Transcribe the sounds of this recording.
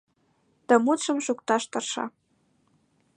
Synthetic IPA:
t̪ə̆mut̪ʃə̆mʃukt̪ɑʃt̪ɤ̆rʃɑ̰

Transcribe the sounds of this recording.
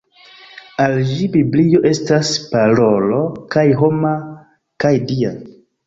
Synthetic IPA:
ald͡ʒibiblijo̞ʔe̞staspaɾo̞lo̞kajɦo̞ma | kajdia

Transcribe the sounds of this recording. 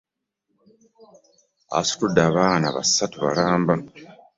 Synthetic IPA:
a̰su̥tudːaːβaːna̰βa̰sːatuβa̰laːmba

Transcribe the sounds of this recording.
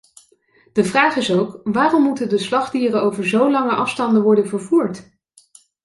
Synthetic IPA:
d̥əvraːχɪsowkʋaːrɔmːutədəslɑχdiːrəowvəɹzowlɑŋəʔɑfstɑndəʋɔɹdənvəɹvuːɹt

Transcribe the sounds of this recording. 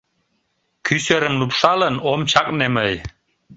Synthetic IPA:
kʰyseɾə̆mlupʂɑlənomt͡ɕʰɑkʼneməj

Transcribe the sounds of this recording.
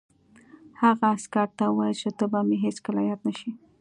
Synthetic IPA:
haɣaːskaɾt̪awajlt͡ʃet̪əbameɦeskəla̰jɑd̪naʃi

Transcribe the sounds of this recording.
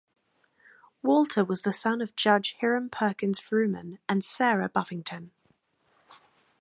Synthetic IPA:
wɔˑlˠtʰəwɒzðəsʌ̃nəvd͡ʒʌ̥ʒ̥hɪɹə̃mpʰɜˑkɪ̃nz̥fɹʉːmə̰̃nə̃nsɛːɹəbʌfɪ̃ŋtʰə̃n

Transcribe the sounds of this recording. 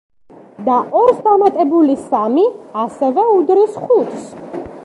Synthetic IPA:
d̪aʔɔɾsd̪amat̪ʼɛbulisamiasɛvɛud̪ɾisχut̪ʰs

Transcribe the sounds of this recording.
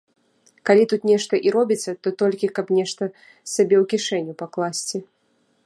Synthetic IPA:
kalʲit̪ut̪nʲɛʂt̪ɐʔiɾɔbʲit̪sːɐt̪ɔt̪ɔlʲkʲikɐpnʲɛʂt̪ɐ | sabʲɛwkʲiʂɛnʲːupaklˠasʲt͡sʲi

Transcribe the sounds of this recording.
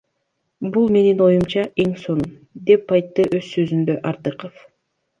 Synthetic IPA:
bulˠme̞nino̞jumt͡ʃɑʔe̞ŋso̞n | d̪e̞pːɑjt̪ːɯʔø̞zsø̞zynd̪ø̞ʔɑɾt̪ɯqəf

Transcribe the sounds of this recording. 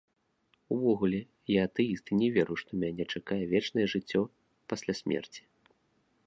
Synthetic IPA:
uvɔɣulʲɛ | jaːt̪ɛjist̪ɨnʲɛvʲɛɾuʂt̪ɔmʲanʲɛt͡ʂakajɛvʲɛt͡ʂnɐjɛʐɨt͡sʲːɔ | pasʲlʲasʲmʲɛ̰rt͡sʲi̥

